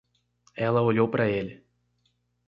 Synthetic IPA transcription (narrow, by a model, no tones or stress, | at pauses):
ɛlɐoʎowpɾɐelɪ